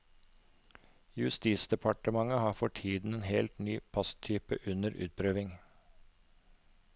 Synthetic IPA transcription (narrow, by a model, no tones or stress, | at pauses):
jʉst̪iːsd̪ɛpʰɑʈəmɑŋəhɑːfɔʈʰiːd̪n̩eːnheːlt̪nyːpʰɑst̪ʰyːpə̰ʔʉnəɾʉ̰ːt̪̚pʰɾøːʋɪŋ